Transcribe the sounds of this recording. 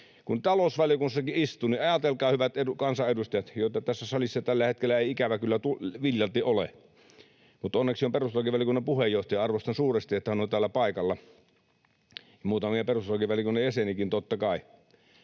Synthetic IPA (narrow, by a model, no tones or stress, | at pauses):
kunt̪ɑlosʋæljokunsːɑkiist̪uːniʔɑjɑt̪elkɑːhyʋæt̪edukɑnsɑʔedust̪ɑjɑt̪joˑet̪ɑt̪æsːæsɑlisːɑt̪ælːæhet̪̚kelːæeiikæʋækylːæt̪uʋiljɑlt̪iʔolḛ | mut̪onːeksiomperust̪olɑkiʋʋæljokunːepuhejjoht̪ɑjɑɑrʋost̪ɑnsuːrest̪iet̪ːæhænont̪æːlːæpɑˑikɑlːɑ | jɑmuːt̪ɑmiɑperust̪olɑkiʋæljokunːejæsenikint̪ot̪ːɑkɑˑi